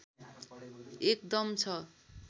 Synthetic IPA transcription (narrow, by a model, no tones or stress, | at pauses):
ek̚d̪ʌmt͡sʰʌ